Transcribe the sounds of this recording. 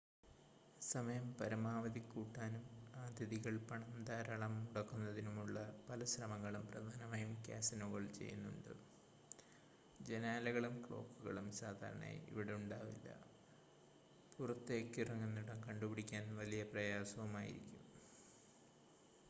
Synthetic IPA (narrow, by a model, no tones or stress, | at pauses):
sɐmɐjɐmpɐɾɐmaːʋɐðikːuːʈːaːnumaːd̪iðiɣɐɭpɐɳɐnd̪aːɾɐɭɐmuɽɐkːunːɐðinumuɭːɐpɐlɐɕrɐmɐŋːɐɭumprɐd̪ʱaːnɐmaːjumka̰ːsɐnoɣɐɭt͡ɕe̞̰jːṵnːṵɳɖɨ̰ | d͡ʑe̞naːlɐɣɐɭumkɭo̞̰ːkːuɣɐɭumsaːd̪ʱa̰ːɾɐ̰ɳḛḭʋiɽe̞uɳɖaːʋḭlːɐ̰ | purɐt̪ːe̞ːkːɨrɐŋːenːuɽɐnkɐɳɖupiɽikʲːaːnʋɐlijɐprɐjaːsɐʋumaːjḭɾḭkʲːum